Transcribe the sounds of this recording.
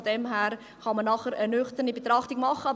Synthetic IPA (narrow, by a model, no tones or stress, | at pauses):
d̥ɛmɦæːɾ | χɑmənːɑχəɾənʏχt̪ənibet̪ɾɑχtiɡmɑχːəɑ